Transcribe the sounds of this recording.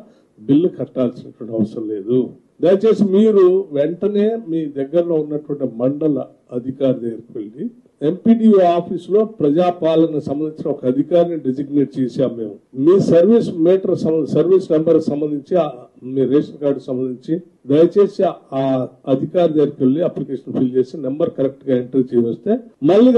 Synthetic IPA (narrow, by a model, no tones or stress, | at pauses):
bilːukʰɐʈːaːlsinɐʈuʋɐɳʈiɐʋɐsɾɐmle̞ːd̪u | d̪ɐjɐt͡ʃe̞ːsimiːɾuʋeɳʈɐne̞ːmiːd̪ɐɡːɐɾɐloːunːɐʈuʋɐɳʈimɐɳɖɐlɐ | ɐd̪ʱikaːɾid̪ɐːɡɐɾkʋelɖi | e̞mpiːʈiːaːpʰiːslo̞ːpɾɐd͡ʒaːpaːlɐnɐsɐmbɐnd̪iɲt͡ʃinɐɔkɐɐd̪ʱikaːɾɐniɖed͡ʒiɡneːʈ̚t͡ʃeːsaːmːe̞ːmumiːsɐɾʋiːsmeːʈɐɾsɐsɐɾʋiːsmembɐɾksɐmbɐnd̪iɲt͡ʃiamiːɾeːʂɐnkaːɾɖksɐmbɐnd̪iɲt͡ʃi | d̪ɐjɐt͡ʃe̞ːsiaːɐd̪ʱikaːɾɐd̪eːɾkelːiɐplikeːʂɐnpʰiːlt͡ʃe̞ːsinembɐɾkɐɾek̚ʈɡaːeɳʈɾiːt͡ʃɛjʋɐst̪e̞ːmɐlːiː